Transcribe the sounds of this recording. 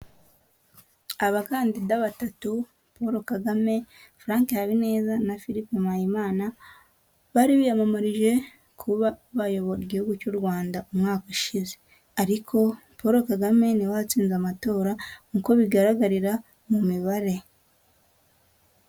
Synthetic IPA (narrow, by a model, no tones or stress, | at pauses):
aβakaːndidaβatatu | po̞ɾo̞kaɡame̞fɾaːŋkejaβine̞ːzanafiɾipemajimaːna | βaːɾiβijamamaɾiʒe̞ | kʰuβaβajo̞βo̞ɾiɟihuɡucoɾɡwaːndaumŋaːkuʃize | aɾikʰo̞ | poɾo̞kaɡame̞niwat͡siːnzamato̞ːɾaŋuko̞βiɡaɾaɡaɾiɾa | mumiβaɾe̞